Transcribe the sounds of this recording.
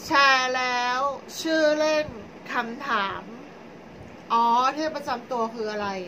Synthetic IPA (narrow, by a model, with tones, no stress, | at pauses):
t͡ɕʰɛː˧lɛː˦˥wt͡ɕʰɯː˥˩le˥˩n | kʰa˧mt̪ʰaː˩˦m | ʔɔː˦˥t̪ʰi˥˩əpɾa˧t͡ɕa˧mt̪u˧ɐkʰɯː˧ʔa˧ɾa˧j